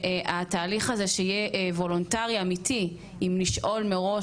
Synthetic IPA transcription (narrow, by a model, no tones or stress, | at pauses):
ʔataːliχaze̞ʃejeʔvo̞lontaʁiamitʰi | imliʃʔo̞lmeʁo̞